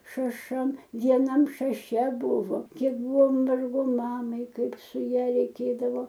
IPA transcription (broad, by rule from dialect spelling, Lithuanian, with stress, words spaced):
ʃɐˈʃɐm ʋʲiɛˈnɐm ʃɐˈʃʲɛ ˈbʊʋoː ˈkʲiɛk ˈbʊʋoː ˈʋɐrɡoː ˈmɑːmɐɪ ˈkɐɪp sʊ ˈjɛ rʲɛɪˈkʲeːdɐʋoː